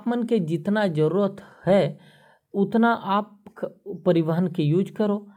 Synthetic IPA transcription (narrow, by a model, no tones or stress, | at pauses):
aːpmənked͡ʒɪt̪nad͡ʒəɾuːɾət̪hɛ | ʊt̪naʔaːpː | ɐɾɪʋəɦənkejuːd͡ʒkəɾoː